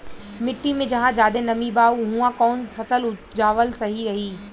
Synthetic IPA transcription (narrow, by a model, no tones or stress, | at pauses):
mɪʈːimẽd͡ʑɐɦãd͡ʑaːd̪enɐmibaːɦũãkɔːnfʰɐsəld͡ʑaːʋəlsɐɦiɾɐɦiː